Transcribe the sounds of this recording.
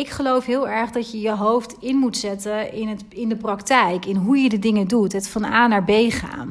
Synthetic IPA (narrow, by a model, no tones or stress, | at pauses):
ɪkχəlowfɦɪːlˠɛɹχdɑtjəjəɦowftɪnmutsɛtəɪn | ɪndəprɑktɛjkɪnɦujədədɪŋədutɦətfɑnaːnaɹbejχa̰ːn